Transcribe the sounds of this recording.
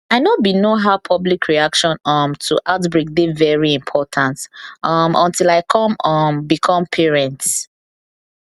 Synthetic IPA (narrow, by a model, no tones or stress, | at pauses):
aɪnɔbinoɦaʊpʰɔblikʰɹiakʃɔ̃nɔmtʰuʔaʊtbɹek̚devɛɹiĩmpʰɔtʰãntʔʌmʔɔ̰̃ntilaɪkʰɔ̃mɔmbikʰɔ̃mpʰɛɹɛ̃nt